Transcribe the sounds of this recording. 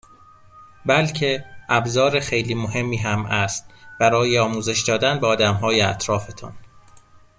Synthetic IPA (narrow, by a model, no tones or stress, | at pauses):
bælcʰe̞ʔæbzɒːɾexejliːmoɦe̞mːiːɦæmæst̪b̥æɾɒːjeɒːmuːze̞ʃd̪ɒːd̪ænbeɒːd̪æmɦɒːjeæt̪ʰɾɒːfe̞t̪ʰɒ̰n